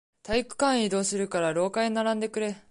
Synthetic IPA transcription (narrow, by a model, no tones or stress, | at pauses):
t̪aikɯ̟̥kãɰ̃id̪o̞ːsɨɾɯ̟kaɾaɾo̞ːkainaɾãnd̪e̞kɯ̟ɾe̞